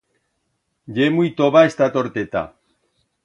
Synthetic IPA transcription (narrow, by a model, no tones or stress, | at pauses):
ɟemujt̪oβaest̪at̪oɾt̪et̪a̰